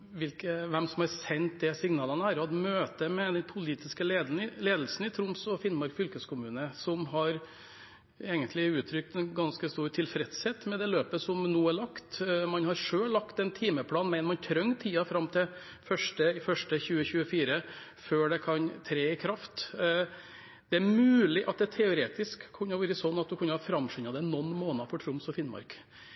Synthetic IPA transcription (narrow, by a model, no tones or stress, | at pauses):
ʋɪlkəʋɛmsɔmhɑɾsɛnt̪̚d̪ɛsɪŋnɑːlənəæɾɑd̪møːt̪əmɛd̪ɛnpʰʊliːt̪ɪskəleːd̪ɪleːd̪əlsn̩ɪt̪ʰɾʊmsɔfɪnːmɑɾkfʏlkəskʰʊmʉːnəsɔmɦɑɾ | eːɡənt̪lɪʉːt̪ʰɾʏk̚t̪ɛnɡɑnskəst̪uːɾʈʰɪlfɾɛt̪shɛːt̪mɛd̪ɛløːpəsɔmnuːæɭɑkt̪mɑnhɑɾʂøːlːɑkt̪ɛnt̪ʰiːməpʰlɑːnmæɪnəmɑnt̪ʰɾœŋːt̪ʰiːɑfɾɑmt̪ʰɛ | fœʂʈəɪfœʂʈəçʉːəçʉːəfiːɾəføːɖɛkʰɑnt̪ʰɾeːɪkʰɾɑft̪ | d̪̥ɛæɾmʉːlɪʔɑt̪̚d̪ɛt̪ʰɛʊɾeːt̪ɪskʰːʉnːəʋʉːɾəsɔnːɑt̪̚d̪ʉkʰʉnːəhɑfɾɑmːʂʏnɑd̪ɛnːɔnːmoːnɑfɔʈʰɾʊmsɔfɪnmɑ̰ɾk